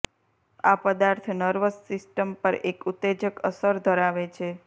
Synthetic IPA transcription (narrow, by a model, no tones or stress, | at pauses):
apəd̪aɾt̪ʰnəɾʋəsːɪsʈəmpəɾekut̪ːed͡ʒəkəsəɾd̪ʱəɾaʋet͡ʃʰe